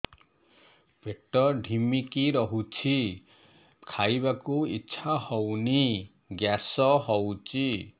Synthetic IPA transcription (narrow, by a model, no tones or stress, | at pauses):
peʈɔɖʱimikiɾɔɦut͡ʃʰi | kʰajbakuitːʃʰahɔwni | ɡjasɔɦɔwt͡ʃʰi